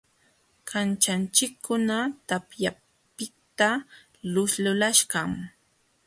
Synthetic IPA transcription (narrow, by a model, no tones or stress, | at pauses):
kʰant͡ʃant͡ʃɪkʰːʊnat̪apja | pɪkt̪a | lʊslʊlaʃɢɑŋ